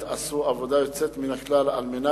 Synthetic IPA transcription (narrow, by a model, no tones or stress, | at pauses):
t̪asuavod̪ajot͡set̪minaklala̰lmena